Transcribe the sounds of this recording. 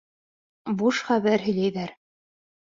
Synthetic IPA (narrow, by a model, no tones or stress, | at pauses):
buʃχæβæɾɦɵ̆jlæjðæɾ